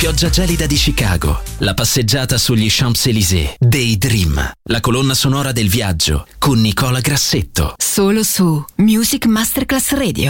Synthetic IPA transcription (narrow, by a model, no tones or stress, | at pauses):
pjɔd͡ʒːad͡ʒɛːlid̪ad̪it͡ʃika̰ːɡo̰lapasːed͡ʒːaːt̪asuʎːiʃampselizḛd̪ejd̪ɾimlakolonːasonɔːɾad̪elvjad͡ʒːo̰konːikɔːlaɡɾasːet̪ːo̰soːlosumjuːzikmast̪erklasrɛːd̪j̰o